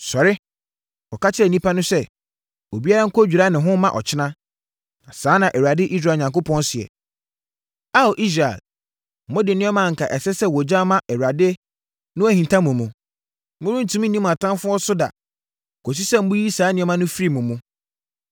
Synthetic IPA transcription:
sɔ˨ɾɪ˦ | ɔ˨ka˦t͡ɕʰɪ˦ɾɛ˨nĩ˦pʰa˦nʊ̃˦sɛ˦ | o˨bi˦a˦ɾa˦ŋ̩˦kʰɔ˦d͡ʑᶣu˨ɾa˦nɪ̃˨ɦʊ̃˦mã̰˨ʔɔ̰˨t͡ɕʰɪ˦nã˦ | nã˨sãː˨˦nã˨ʔɛ˨u˨ɾa˨dɪ˦ʔi˦s̬ɾaː˨ɲã˨ŋko˦pʰɔ̃˦n˦sɪ˨ɛ̰˨ | a˦˨o˨ʔi˦s̬ɾa̰˨l | mʊ̃˦dɪ˨nɪ̃˦ɛ˦mã˦˨ŋ̩˨kʰa˨ʔɛ˨sɛ˦sɛ˦wɔ˨d͡ʑã˦mã˦ʔɛ˨a˨dɪ˦e˦ | nʊ̃˦ɛ˦hĩ˨n˨tʰã˦mʊ̃˨mũ˨ | mʊ̃˦ɾʊ̃˦n̩˨tʰũ˦m̃˦nĩ˦m̃˨a˨tʰã˦m˦fʊ̃˦ɔ˦sʊ˦da̰˨ | kʰɔ˨s̬i˦sɛ˦m̩˦bʊ̃˦ji˦saː˨˦nɪ̃˨˦ɛ˦mã˦nʊ̃˦fi˦ɾi˦mʊ̃˨mũ˦

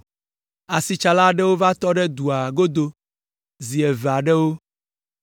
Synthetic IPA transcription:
a˨si˨t͡ʃa˨la˦ɖɛ˦wo˦va˦t̪ɔ˦ɖɛ˦d̪u˨a˨ɡo˦d̪o˦ | zi˨ɛ˨va˨ɖɛ˦wo˦

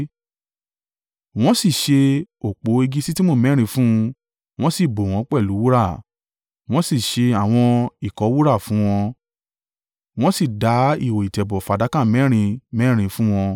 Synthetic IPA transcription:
w̃ɔ̃˦si˦˨ʃe˧o˨k͡po˨˦e˧ɡi˦si˦ti˦mo˦˨mɛ̃˨˦ɾ̃ĩ˧fũ˦˧ | w̃ɔ̃˦si˦˨bo˨w̃ɔ̃˨˦k͡pɛ˦˨lu˨˦wu˦ɾa˦˨ | w̃ɔ̃˦si˦˨ʃe˧a˦˨w̃ɔ̃˧i˦˨kɔ˨˦wu˦ɾa˦˨fũ˨˦w̃ɔ̃˧ | w̃ɔ̃˦si˦˨da˨˦i˦˨wo˨i˨tɛ˨bɔ˨fa˨˦da˨˦kã˦˨mɛ̃˨˦ɾ̃ĩ˧mɛ̃˦ɾ̃ĩ˧fũ˦w̃ɔ̃˧

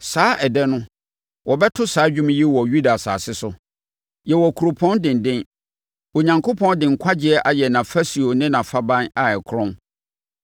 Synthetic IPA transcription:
saː˦ʔɛ˨dɛ˦nʊ̃˦ | wɔ˨bɛ˦tʰʊ˦saː˨˦d͡ʑᶣũ˦m˦ji˦wɔ˨ju˦da˨sa̰ː˨sɪ˦sʊ˦ | jɛ˨wɔ˨kʰu˨ɾo˨pʰɔ̃˦ndɪ̃˨n̩˨dɪ̃˦n | o˨ɲã˨ŋkʰo˦pʰɔ̃˦ndɪ̃˨ŋ̩˨kʷʰa˦d͡ʑɪ˦ɛ˦ʔa˨jɛ˨nã˨fæ˦si˨o˨nɪ̃˦nã˨fa˦bã˦na˨ɛ˨kʰɾɔ̃˦n

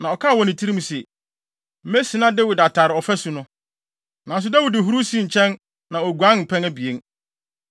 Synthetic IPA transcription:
nã˨ɔ˨kʰa˦˨wɔ̃˨nɪ̃˨tʰi˦ɾi˦m˨sɛ˨ | m̩˨me˦si˨nã˦dɪ˦wɪ˨da˨tʰa˨ɾɪ˨ɔ˨fɛ˦su˨nʊ̃˦ | nã˨˦s̬ʊ˦da˦wi˨dɪ˨ɦu˦ɾu˦si˦ɲ̩˨t͡ɕʰɛ̃˦n | nã˨o˨ɡu˨ã˦nm̩˨pʰɛ̃˦næ˦bi˨e˦n

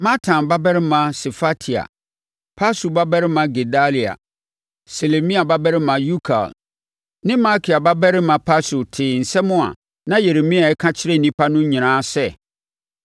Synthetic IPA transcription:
mã˦tʰã˨nba˦bɛ˦ɾɪ˦mã˨se˨fa˦tʰi˨a̰˨ | pʰa˦su˨ba˦bɛ˦ɾɪ˦mã˨ɡe˨da˦li˨a̰˨ | se˨le˨mĩ˦a˨ba˦bɛ˦ɾɪ˦mã˨ju˦kʰa̰˨l | nɪ̃˦ma˦kʰi˨a˨ba˦bɛ˦ɾɪ˦mã˨pʰa˦sʊ˨tʰɪː˨n̩˨sɛ˦mʊ̃˦a̰˨ | nã˦je˨ɾe˨mĩ˦a˨ɛ˦kʰã˦t͡ɕʰɪ˦ɾɛ˦n̩˨nĩ˦pʰa˦nʊ̃˦ɲĩ˨ɾ̃ãː˦sɛ˦

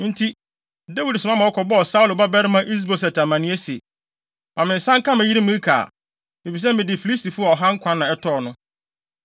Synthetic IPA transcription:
n̩˦tʰi˦ | da˦wi˨dsɪ˨mã˦mã˨ɔ˦kʰɔ˨bɔ˦ɔ˨sa˦u˦lo˨ba˦bɛ˦ɾɪ˦mã˦ʔi˦s̬bo˨sɛ˨tʰa˨mã˨nɪ̃˦ɛ˦si˨ḛ˨ | mã˨mɪ̃˨n̩˨sã˦ŋ̩˦kã˦mæ̃˨ji˦ɾi˦mʊ̃˦i˦kʰa̰ː˨ | mɪ˨fi˨s̬ɛ˦mɪ̃˨dɪ˨fi˨li˦s̬ti˨fu˦a˨ɔ˨ɦã˦ŋ̩˦kʷʰã˦nːã˨ɛ˦tʰɔ˦˨nʊ̃˦

